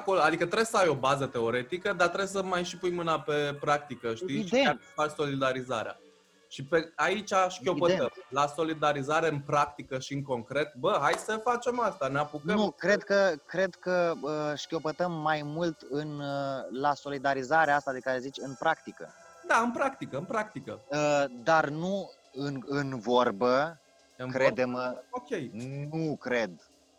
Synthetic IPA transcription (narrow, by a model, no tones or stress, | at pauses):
ako̞load̪ikət̪ɾe̞besəajo̞bazət̪e̞o̞ɾe̞t̪ikəd̪at̪ɾe̞bes̬əmajʃipujmɨnape̞pɾak̚t̪ikəʃt̪iʃiafaɾso̞lid̪aɾiza̰ɾea̰ | ʃipeait͡ʃʲaʃkʲo̞pət̪əmlaso̞lid̪aɾizaɾe̞ɨnpɾak̚t̪ikəʃiɨŋko̞ŋkɾe̞t̪bəɦajsəfat͡ʃe̞mast̪aneapukənukɾe̞d̪kəkɾe̞d̪kəəʃkʲo̞pət̪əmːajmult̪ɨnlaso̞lid̪aɾizaɾeast̪ad̪e̞kaɾe̞zit͡ʃʲɨnpɾʔakt̪ikə̰d̪aɨnpɾakt̪ikəɨnpɾak̚t̪ikə̰əd̪arnu | ɨnɨnvo̞rbə | ɨkɾed̪e̞mokʲejnukɾe̞d̪